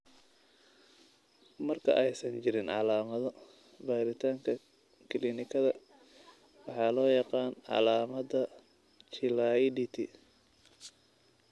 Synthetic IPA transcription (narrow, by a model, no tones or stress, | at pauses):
mɐrkʰɐ̰ʔɛjsɐnt͡ʃɪɾɪnʕɑ̰laːmɐðɔ | baːɾɪt̪ʰaːŋkʰɐ | kʰɪlinɪkʰɐðɐ | wɑħɑːlɔːjɑqɑːnʕɑ̰laːmɐdɐ | t͡ʃɪladit̪ʰi